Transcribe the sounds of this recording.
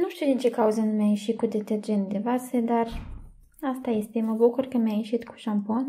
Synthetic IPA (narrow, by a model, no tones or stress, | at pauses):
nuʃt̪iuwd̪ʲint͡ʃekauzənumʲajeʃit̪̚kud̪et̪erd͡ʒent̪d̪evased̪ar | ast̪aje̞st̪eməbukurkəmeajeʃit̪ku̥ʃampon